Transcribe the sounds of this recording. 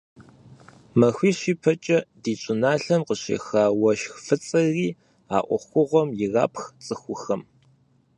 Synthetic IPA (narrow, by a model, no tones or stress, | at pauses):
mɐxʷiːɕiːpʰɐt͡ʃʼɐdiːɕʷʼʊnaːɬɐnqəɕḛːxaːwɐʃxfɨt͡sʼɐriː | a̰ːʔʷɔ̰xʷʊʁʷɔmjɪra̰ːpxt͡sʼɨxʷʊxɐm